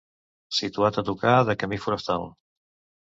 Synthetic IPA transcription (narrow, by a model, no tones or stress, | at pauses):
sit̪uat̪ət̪ukaðəkəmifuɾəst̪a̰lˠ